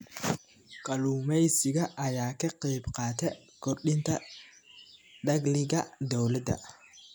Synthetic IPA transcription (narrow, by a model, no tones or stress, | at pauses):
kʰɐluːmɛjsɪɡɐʔɐjaːkɐqiːbqɑːt̪ʰɛ | kɔrɗɪnt̪ʰɐ | ɗɐɡlɪɡɐd̪ɔwlɐd̪ɐ̰